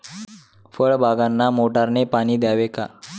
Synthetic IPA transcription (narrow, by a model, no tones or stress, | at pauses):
fəɭbʱaɡanːamoʈaɾnepaɽ̃iːd̪jaʋeka̰